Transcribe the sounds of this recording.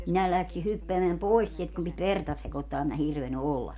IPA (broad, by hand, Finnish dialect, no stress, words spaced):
minæ læksi hypːeæmeæm pois sielt kum pit ʋertɑ sekotːɑː em mæ hirʋeny olːɑs